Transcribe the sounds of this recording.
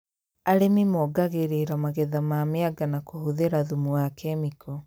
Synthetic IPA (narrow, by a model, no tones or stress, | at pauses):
aɾemimɔɡaɣeɾeɾamaɣɛðamaːmeaɡanakohoðeɾaðumuakɛmikʰɔ